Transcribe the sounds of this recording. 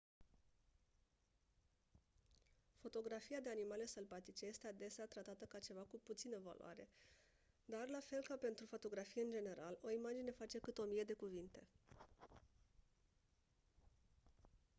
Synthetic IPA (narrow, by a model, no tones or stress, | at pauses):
fo̞t̪o̞ɡɾafijad̪e̞animale̞səlbat̪it͡ʃeje̞st̪e̞ad̪e̞seat̪ɾat̪at̪əkat͡ʃe̞vakuput̪sinəva̰lṵwa̰ɾe̞̰ | d̪arlafe̞lkape̞nt̪ɾufo̞t̪o̞ɡɾafije̞ɨnd͡ʒe̞ne̞ɾʔalo̞imad͡ʒine̞fat͡ʃe̞kɨt̪o̞mije̞d̪e̞kuvint̪e̞